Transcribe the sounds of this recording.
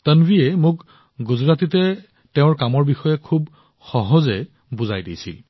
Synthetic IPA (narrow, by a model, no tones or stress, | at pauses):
tənbiɛmʊk | ɡuzɹatitɛ | teʊ̃ɹkamɔɹbixɔjɛkʰub | xɔɦɔzɛ | buzajdḭjsḭl